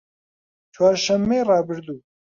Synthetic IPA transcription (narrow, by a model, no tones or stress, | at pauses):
t͡ʃʰwaːɾʃɛmːeːrɑːbɨɾd̪uː